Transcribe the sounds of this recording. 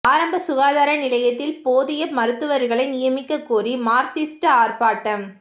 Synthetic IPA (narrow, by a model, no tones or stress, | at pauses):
aːɾɐmbɐsʊɣaːðaːɾɐnɪlɐjɐt̪ːɪlpoːðɪjɐmɐɾɯt̪ːɯʋɐɾɣɐɭɐɪnɪjɐmɪkːɐkːuːrimaːɾsiːsʈɐaːrpaːʈːɐm